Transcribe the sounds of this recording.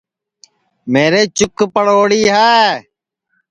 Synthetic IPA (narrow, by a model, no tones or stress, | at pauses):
meːɾeːt͡ʃʊkpəɽoːɽiːɦɛː